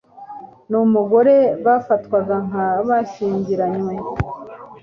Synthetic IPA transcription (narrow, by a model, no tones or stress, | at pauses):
numuɡo̞ɾe̞βafatwaɡaŋ̥aβaʃiːɲɟiɾaɲe